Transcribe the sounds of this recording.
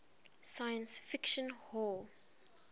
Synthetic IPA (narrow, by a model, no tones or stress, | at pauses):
sajə̃nsfɪkʃə̃nhɔl